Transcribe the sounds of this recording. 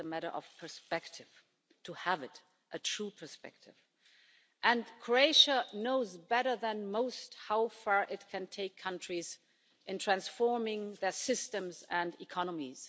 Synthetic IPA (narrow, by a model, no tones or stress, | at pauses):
əmæɾə̰˞ʔʌ̰v̥pʰə˞spɛktʰɪv̥ | tʰəəvɨɾ | ʔɨtʰɹ̥upʰə˞spɛ̰k̚tʰɪv | ʔɨ̃nkʰɹ̥oeɪʃənoʊzbɛɾə˞ðɨ̃nmoʊsthaʊfɑɹʔɪt̚kʰɨ̃ntʰeɪkʰːʌ̃ntɹ̥iz | ʔɨ̃ntʰɹ̥æ̃nsfɔɹmɪ̃ŋðə˞sɪstɨ̃mzə̃ndikʰɑnəmiz̥